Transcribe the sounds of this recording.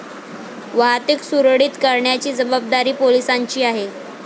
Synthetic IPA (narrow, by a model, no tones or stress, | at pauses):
ʋaɦat̪iksuɾəɽiːt̪kaɾɳjat͡ɕiːd͡zəbəb̚d̪aɾiːpolisaɲt͡ɕiːaɦe